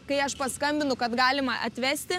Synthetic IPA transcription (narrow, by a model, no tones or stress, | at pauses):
kɐɪɐʃpɐskɐmʲbʲɪnʊkɐt̪ɡɑːlʲɪmɐʔɐ̰t̪ʲʋʲæːsʲt̪ʲɪ